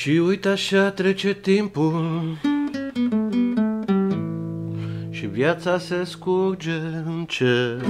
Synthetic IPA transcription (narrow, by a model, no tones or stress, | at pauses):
ʃiujt̪aʃat̪ɾe̞t͡ʃe̞t̪impul | ʃivjat̪saseskuɾd͡ʒeɨnt͡ʃe